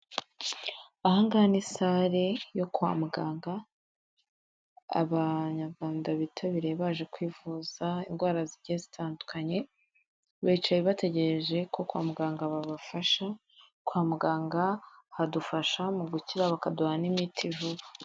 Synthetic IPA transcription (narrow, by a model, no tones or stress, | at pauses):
ahaŋɡanisaɾejo̞kwa̰ːmuɡaːŋɡa | βaɲaɾɡwaːndaβitʰaβiɾeβaːʒe̞kwiːvuz̥ainɡwaːɾaziɾɟezitʰaːndukʰaɲe̞ | βait͡ʃajeβate̞ɟeɾeʒe̞kʰo̞kwa̰ːmuɡaːŋɡaβaβafaʃa | kwaːmuɡaːŋɡahadufaʃamuɡuciɾaβakaduhanimitʰiʒuβa